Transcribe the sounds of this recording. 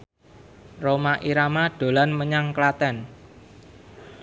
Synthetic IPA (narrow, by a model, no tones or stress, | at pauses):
romaʔiɾamaɖ̥o̤lanməɲaŋklat̪ɛn